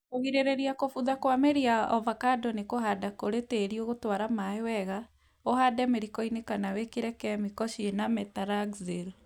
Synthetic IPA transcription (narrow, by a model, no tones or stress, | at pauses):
oɣiɾeɾeɾiakofuðakwameɾiaɔvakadɔnekoɦadakoɾeteɾioɣotwaɾamaewɛɣa | ohadɛmeɾikɔinekanawekeɾɛkɛmikɔʃienamɛtaɾaɡzel